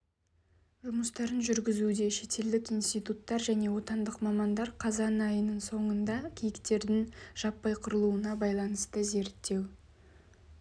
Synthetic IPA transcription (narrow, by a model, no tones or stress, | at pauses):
ʒʊməst̪ɑɾənʒʏɾɡʲɪzud̪e̞ʃe̞t̪e̞ld̪ɪkijnst̪ijt̪ut̪ːɑɾʒæne̞wo̞t̪ɑnd̪əqmɑmɑnd̪ɑɾqʰɑzɑnɑjənəɴso̞ɴənd̪ɑkʲʰejɪkt̪e̞ɾd̪ɪŋʒ̥ɑpːɑjqʰʊɾəlˠuənɑbɑjlˠɑnəst̪əze̞ɾt̪ːe̞w